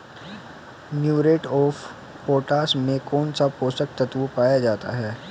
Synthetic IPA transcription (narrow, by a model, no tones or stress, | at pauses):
njuːɾeːʈɔːf | poːʈaːsmẽkɔːnsapoːsək̚t̪ɐt̪ʋupaːjad͡ʒaːt̪a̰ɦɛː